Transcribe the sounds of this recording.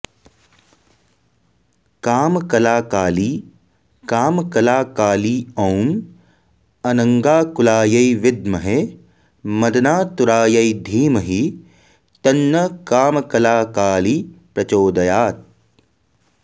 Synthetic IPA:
kaːmkɐlaːkaːliː | kaːmkɐlaːkaːliːɐwm | ɐnɐ̃ŋɡaːkulaːjɐiʋɪd̪mɐɦe | mɐd̪ɐnaːt̪uɾaːjɐid̪ʱiːmɐɦi | t̪ɐnːɐkaːmɐkɐlaːkaːlipɾɐt͡ʃoːd̪ɐjaːt̪̚

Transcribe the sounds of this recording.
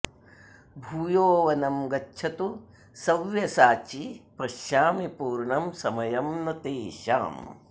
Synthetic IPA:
bʱuːjoːʋɐnɐmɡɐːt͡ʃʰɐt̪u | sɐʋjɐsaːt͡ʃipɐʃjaːmipuːɾɳɐmsɐmɐjɐmnɐt̪eːʃa̰ːm

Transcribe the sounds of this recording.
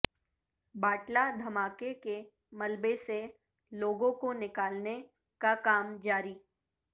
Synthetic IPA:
baːʈlad̪ʱɐmaːkeke | mɐlbese | loːɡõkonɪkaːlne | kakaːmd͡ʒaːɾiː

